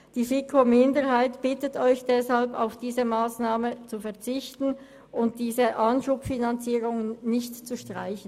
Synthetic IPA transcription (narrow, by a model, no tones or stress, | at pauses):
d̥iːfikʰomɪndəʁhaɪtb̥ɪtətɔʏçd̥ɛshalpa̰ʊfd̥iːzəmaːsnaːmət͡sufɛɐt͡sɪçtn̩ | ʊnt̚d̥iːzəʔanʃuːpfinant͡siːʁʊŋənnɪçtt͡suʃtʁ̥a̰ɪçn̩